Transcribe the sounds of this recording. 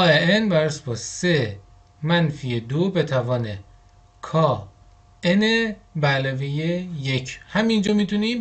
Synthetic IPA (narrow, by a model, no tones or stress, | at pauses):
ɒːeenbæɾsbɒːse | mænfijed̪obet̪ʰævɒːne | kʰɒː | enebælɔvejejecʰhæmind͡ʒɒːmit̪ʰuniːm